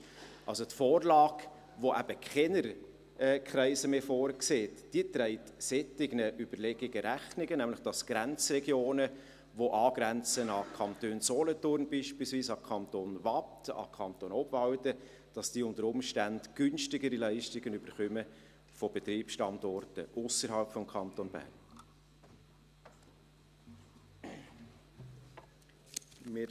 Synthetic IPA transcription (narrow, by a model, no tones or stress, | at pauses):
ʔɑlsotfɔːrlɑːɡ | ʋoʔæb̥əkχɛnəɾ | kχɾɛɪsəmefoːɾkseːtd̥iət̪ɾɛɪtsɛtɪɡnəʔyb̥əɾlɛɡ̥ɪɡəɾæχnɪɡənæmlɪχd̥ɑsɡ̥ɾɛnt͡srɛɡjoːnə | ʋoʔɑːɡ̥ɾɛnt͡sənɑkʰɑnt̪øːnsɔlətʊɾnbiːʃpiːlsviːsɑkʰɑnt̪onvɑptɑ̰kʰɑnt̪onɔbvɑwtə | d̥ɑsd̥iːʊntəɾʊmʃtændɡ̥ʏnʃtɪɡəɾilæɪʃtɪɡənyb̥əɾχœmə | fɔb̥ɛt̪ɾiːpʃtɑnd̪ɔrtə̰ʔʊsəɾɦɑlpfɔmkʰɑnt̪onb̥æ̰rn | mɪɾ